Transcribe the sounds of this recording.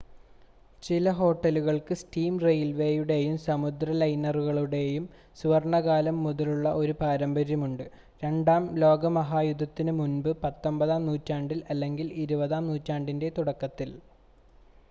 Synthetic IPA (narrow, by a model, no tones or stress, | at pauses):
t͡ɕilɐɦo̞ːʈːɐluɣɐɭkɨsʈiːmrejlʋe̞juɽe̞jumsɐmud̪ɾɐlɐjnɐruɣɐɭuɽe̞jum | suʋɐrɳɐɣaːlɐmːuðɐluɭːɐʔo̞ɾupaːɾɐmbɐɾjɐmuɳɖɨ | ɾe̞ɳɖaːmlo̞ːɡɐmɐɦaːjud̪ʱːɐt̪ːinɨmunbɨpɐt̪ːo̞mbɐðaːmnuːtːaːɳɖilɐlːe̞ŋɡiliɾubɐðaːmnuːtːaːɳɖinde̞t̪uɽɐkːɐt̪ːil